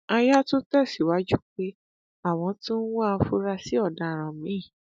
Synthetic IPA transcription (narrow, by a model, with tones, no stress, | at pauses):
a˧ja˦to˦tɛ˦˨si˨wa˦d͡ʒu˦˨k͡pe˦ | a˦˨w̃ɔ̃˧˦tũ˦n̩˦wɔ˦a˧˦fu˦ɾa˧si˨˦ɔ˦˨da˨ɾ̃ã˨mĩ˨˦ĩ˦˨